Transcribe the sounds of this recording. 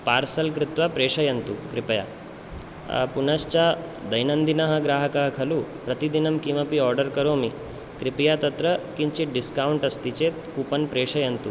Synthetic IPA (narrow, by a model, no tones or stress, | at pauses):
paːɾsɐlkɾɪt̪ʋapɾeːʂɐjɐnt̪ukɾipɐja̰ | punast͡ɕad̪ɐjnɐnd̪inɐɦɐɡɾaːɦɐkaɦɐkʰɐlupɾɐt̪id̪inɐmkimɐpiɔɾɖəɾkɐɾoːmi | kɾipijat̪ɐt̪ɾɐkiɲt͡ɕiɖiskawɳʈɐst̪it͡ɕet̪kupɐnpɾeːʂɐjɐnt̪u